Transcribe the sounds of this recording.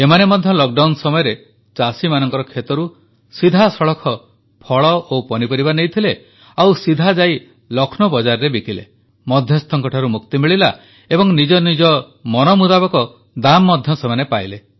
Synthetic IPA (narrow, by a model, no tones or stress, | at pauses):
emanemɔd̪ʱjɔlɔk̚ɖawnsɔmɔjɔɾe | t͡ʃasimanɔŋkɔɾɔkʰet̪ɔɾu | sid̪ʱasɔɭɔkʰɔ | pʰɔɭɔʔopɔnipɔɾibanejt̪ʰile | awsid̪ʱad͡ʒaj | lɔkʰnɔbɔd͡ʒaɾɾebikilḛ | mɔd̪ʱjɔst̪ʰɔŋkɔʈʰaɾumukt̪imiɭila | ebɔŋnid͡ʒɔnid͡ʒɔ | mɔnɔmud̪abɔkɔ | d̪amːɔd̪ʱjɔsemanepajle